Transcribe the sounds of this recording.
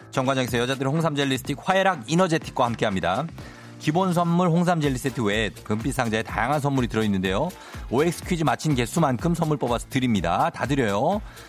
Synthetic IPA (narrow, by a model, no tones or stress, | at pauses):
t͡ɕʌŋɡwand͡ʑaŋɡes̬ʰʌjʌd͡ʑadɯɾihoŋsʰamd͡ʑe̞ʎːisɯ̥tʰik̚ɸwaeɾaɡinʌd͡ʑetʰi̥k̚k͈wahamk͈e̞ɦamɲida | kibons̬ʰʌnmuɭɦoŋs̬ʰamd͡ʑeʎːis͈etʰɯwed̚kɯmp͈ʰis͈ʰaŋd͡ʑaetajaŋɦansʰʌnmuɾitɯɾʌinːɯnde̞jo | oek̚s͈ʰɯ̥kʰɥid͡ʑimat͡ɕʰinke̞s͈ʰumankʰɯmsʰʌmːuɭp͈ʌbasʰʌ̥tɯɾimɲidatadɯɾjʌjo